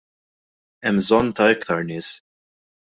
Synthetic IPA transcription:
ɛmzɔnːt̪ɐɛkt̪ɐɾnɪːs

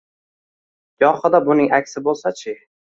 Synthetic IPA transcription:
jɒχɨd̪abʊnɪŋakʲsɪbolˠsat͡ʃʰɪ

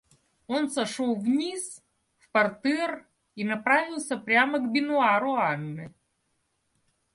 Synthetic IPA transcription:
o̞nsɐʂolˠvnʲis | fpɐrt̪ɛr | inɐpɾavʲɪlˠsʲəpɾʲaməɡbʲɪnʊaɾʊanːɨ

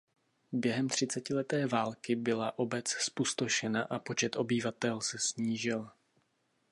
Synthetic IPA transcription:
bjɛɦɛmt̪r̝̥ɪt͡sɛcɪlɛt̪ɛːvaːlkɪbɪlaʔo̞bɛt͡sspust̪oʃɛnaʔapo̞t͡ʃɛt̪ʔo̞bɪvat̪ɛlsɛsɲiːʒɪl

